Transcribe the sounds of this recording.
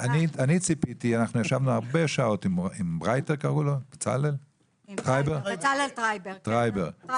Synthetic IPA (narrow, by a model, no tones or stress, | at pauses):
anianit͡sipitianaχnujaʃavnuaʁbeʃaotimimbʁajteʁkaʁulokt͡sa̰lel | tʁajbeʁaltʁajbtʁajbeʁ